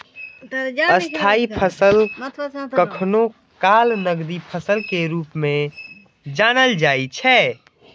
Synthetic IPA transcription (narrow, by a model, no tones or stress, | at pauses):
əst̪ʰaipʰəsəl | kəkʰno | kalnəɡd̪ipʰəsəlkeɾuːpmẽ | d͡ʒanəld͡ʒait͡ʃʰɛ